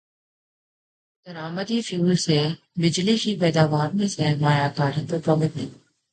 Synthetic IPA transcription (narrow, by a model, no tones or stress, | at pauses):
d̪̥ɐɾaːmət̪ifjuːlse | bɪd͡ʒlikipɛːd̪aːʋaːɾmẽsemaːjaːkaːɾĩpəɾpɾɔːmɪt̪ẽ